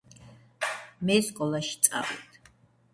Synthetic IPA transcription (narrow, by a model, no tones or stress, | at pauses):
mɛskʼɔlˠaʃi̥t̪sʼa̰vit̪ʰ